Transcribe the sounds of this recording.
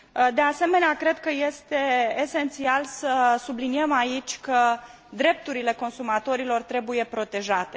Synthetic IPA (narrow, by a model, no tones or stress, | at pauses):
d̪ease̞me̞neakɾe̞d̪̚kəje̞st̪e̞ːse̞nt̪sialsəsubliniemait͡ʃʲkə | d̪ɾe̞p̚t̪uɾile̞ko̞nsumat̪o̞ɾilo̞rt̪ɾe̞buje̞pɾo̞t̪e̞ʒat̪e